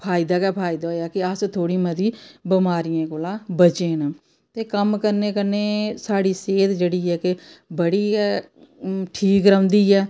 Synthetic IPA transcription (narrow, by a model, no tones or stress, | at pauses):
pʰaːid̪aːkɛːpʰaːid̪aːɦoːjaːkɪəst̪ʰoːɽiːməd̪iːbəmaːɾijãːkoːlãːbət͡ʃeːn | t̪eːkəmkəɾneːkəɾneːsaːɽiːseːt̪d͡ʒeːɽiːɛːkebəɽiːɛː | ʈʰiːkɾəʊnd̪iːɛː